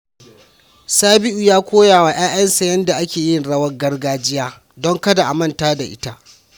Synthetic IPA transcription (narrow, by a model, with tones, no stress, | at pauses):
saː˦bɪ˦ʔu˨jaː˦kʷoː˦jaː˨wa˨j̰aː˦j̰ɐ˦nsa˨jɐ˦nda˨ʔa˦kʲeː˨jɪ˦˨nɽɐ˦wɐ˦rɡɐ˦rɡaː˦d͡ʒɪ˦jaː˦ | dɔ˦ŋkɐ˦da˨ʔa˨mɐ˦ntaː˦da˨ʔɪ̰˦ta˦ʔ